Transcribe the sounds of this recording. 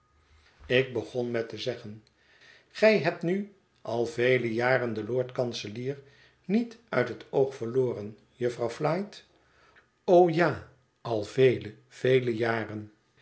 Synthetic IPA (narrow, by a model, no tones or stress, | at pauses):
ɪk̚bəχɔnmɛtəzɛχən | χɛjɦɛp̚tny | ʔɑlˠvejləjaːrəndəlʊːɹtkɑnsəliːr | nitœ̰ɥtɦətʰowχfəɹloːrən | jɵfrɑwflɑjt | owjaː | ɑlˠvejlə | v̥ejləjaːrən